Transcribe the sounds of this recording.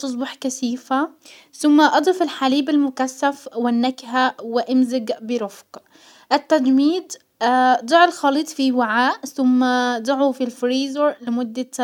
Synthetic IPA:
t̪ʊs̬ˤbɑħkasiːfa | θʊmːaʔɑd̪ˤɪfɪlħaliːbalmʊkasːafwɪnːakhawɪʔɪmzɪɡbɪɾʊfq | ʔat̪ːad̪miːd̪ | d̪ˤɑʕɪlxɑliːt̪ˤfiwaʕaːʔθʊmːad̪ˤʊʕufilfɾiːzoɾlɪmʊd̪ːa

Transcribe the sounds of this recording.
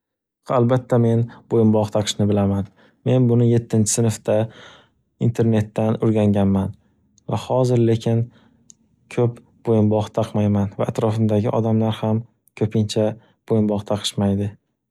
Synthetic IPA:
albat̪ʰːame̞nbojɪmbɒʁt̪ʰɑqʰɨ̥ʃnɪbɪlaman | me̞nbʊnɪje̞t̪ʰːɪnt͡ʃʰɪ̥sɪnɪft̪a | int̪ʰe̞ɾne̞t̪ːanʊɾɡʲaŋɡʲanman | vahɒzɪɾle̞kʲʰɪn | kʰɵp | b̥ojɪmbɒʁt̪ʰɑqmajmanvaʔːt̪ɾɒfɪmd̪aɡʲɪʔɒd̪amlaɾham | kʲʰɵpʰɪnt͡ʃʰa | b̥ojɪmbɒʁt̪ʰaqʰɨ̥ʃmajd̪ɪ

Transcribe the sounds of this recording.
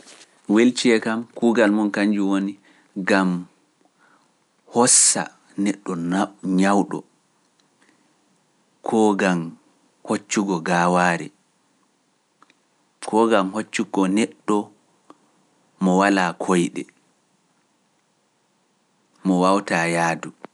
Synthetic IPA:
welt͡ʃiɛkamkuːɡalmɔnkaɲd͡ʒuwoni | ɡam | hɔsːa̰ | nɛɗːɔɲawɗɔ̰ | kʰɔɡam | hot͡ʃːuɡɔɡaːwaːɾɛ̰ | kʰɔɡamhot͡ʃːuɡɔnɛɗːɔ | mɔwalakʰojɗɛ̰ | mɔwawtajaːdu

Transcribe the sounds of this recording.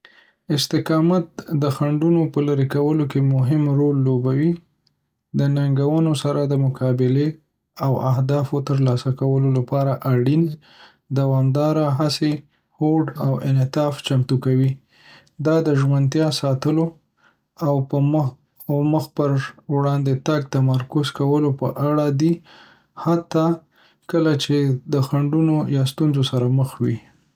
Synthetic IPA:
ɪst̪ɪqɑmat̪̚d̪əxaɳɖunopəlaɾekawəlokemʊɦɪmɾolːobawi | d̪ənaŋɡawənosaɾad̪əmʊkʰɑbɪle | awaɦd̪ɑfot̪əɾlɑsakawəlolapɑɾaʔaɽin | d̪awɑmd̪ɑɾaɦase | hoɖawɪ̰nɪt̪ɑft͡ʃamt̪ukawi | d̪ɑd̪əʒwant̪jɑsɑt̪əlo | awpə | məxpəɾwɽɑnd̪et̪aɡ̚t̪amaɾkʊzkawəlopəʔaɽad̪i | hat̪ːɑ | kəlat͡ʃed̪əxaɳɖunojɑst̪unzosaɾaməxwi

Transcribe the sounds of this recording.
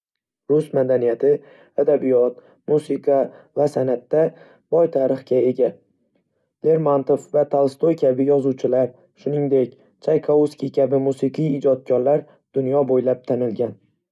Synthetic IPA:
ɾʊsmad̪anijat̪ʰɪ | ad̪abijɒt̪ | musɪqʰɑ | vasanat̪ːa | b̥ɒjt̪ʰaɾɨχkʲae̞ɡʲa | le̞ɾmant̪ofvat̪ʰalˠst̪ojkʲʰabɪjɒzuwt͡ʃʰɪlaɾ | ʃʊnɪŋd̪e̞kʲ | t͡ʃʰajqʰauskʲikʲʰabɪmusɨqʰɨjɪd͡ʒɒt̪̚kʲʰɒɾlaɾ | d̪̥ʊnjɒbojlap̚t̪ʰanɪlɡʲan

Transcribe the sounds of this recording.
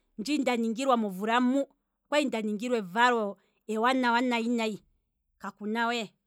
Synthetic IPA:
nd͡ʒindaniŋɡiɾwamɔvuɾamu | kwaindaniŋɡiɾwɛvaɾɔ | ɛwanawanainai | kakunawɛ

